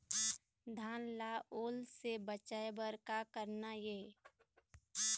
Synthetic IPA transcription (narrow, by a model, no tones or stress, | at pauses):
d̪ʱaːnlaʔoːlsebət͡ʃaebəɾkakəɾnajeː